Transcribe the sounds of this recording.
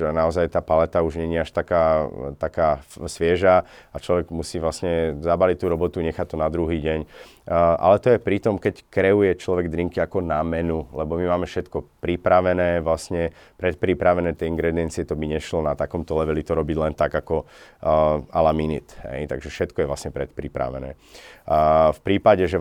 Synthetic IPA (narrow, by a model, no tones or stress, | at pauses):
naɔzajt̪aːpalɛt̪auʒɲɛɲiaʃt̪akaːt̪akaːsʋɪɛʒaat͡ʃlɔʋɛɡmusiːʋlasɲɛzabalic̚t̪ːuːɾɔbɔt̪uɲɛxat̪ɔnad̪ɾuɦiːɟɛɲ | ʔa̰lɛt̪ɔjɛpɾit̪ɔmkɛckɾɛujɛt͡ʃlɔʋɛɡd̪ɾiŋkiakɔnamɛnulɛbɔmimaːmɛfʃɛt̪kɔpɾipɾaʋɛnɛːʋlasɲɛ | pɾɛt̪̚pɾipɾaʋɛnɛːt̪jɛiŋɡɾɛd̪iɛnt͡sɪɛt̪ɔbiɲɛʃlɔnat̪akɔmt̪ɔlɛʋɛlit̪ɔɾɔbiɟlɛnt̪aɡakɔ | alaminḭt̪hɛ̰jt̪aɡʒɛfʃɛt̪kɔjɛvʋlasɲɛpɾɛt̪pɾipɾa̰ʋɛ̰nɛ̰ː | fpɾiːpaɟɛʒɛ